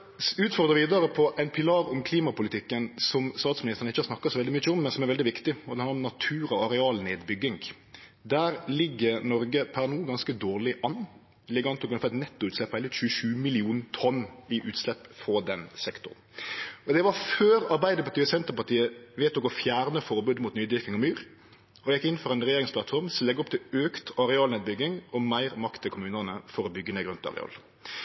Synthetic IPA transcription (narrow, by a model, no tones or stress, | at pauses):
ʉːt̪fɔʁd̪ʁəʋiːd̪əɾəpʰɔʔɛɪnpʰɪlɑːɾɔmkʰliːmɑpʊlɪt̪ʰɪkːənsɔmst̪ɑːt̪smɪnɪst̪ənɪçːəhɑɾsnɑkːɑtsɔʋɛld̪ɪmʏçːəɔmːɛnsɔmæɾʋɛld̪ɪʋɪkt̪ɪɔd̪ɛhɑnɾɔmnɑt̪ʰʉːɾɔɑɾɛɑːlneːd̪bʏɡːɪŋ | d̪æːɾlɪɡːəɾnɔɾɡəpʰæʁnuːɡɑnskəd̪oːʁlɪʔɑnː | lɪɡʋɑnt̪ɪɔkʉnfʰɛt̪nɛt̪ːʊʉːt̪slɛpːæɪlɪt̪ɕʉːəʃʉːmɪlɪuːnt̪ʰɔnːɪʔʉːt̪slɛpːfɔd̪ɛnsɛkt̪ʊ̰ʁnɔd̪ɛʋɑføːɾɑɾbæɪd̪əɾpɑt̪iːɔsɛnt̪əɾpɑʁt̪ʰiːəʋeːt̪ɔkɔfjæːɾnəfɔɾbʉːd̪muːt̪nyːd̪ʋɪɾkɪŋɔmyːɾ | ɔjɛkːɪnfɔɾæɪnʁɛjeːɾɪŋspʰlɑt̪fɔɾmsɔlɛɡːɔp̚t̪ʰɪløːkt̪ɑɾɛɑːlneːd̪bʏɡɪŋɔmæɪɾmɑkt̪ʰːɪlkʰʊmʉːnənəfɔɾɔbʏɡːəneːɡɾʉnt̪ɑ̰ɾɛ̰ɑ̰ːl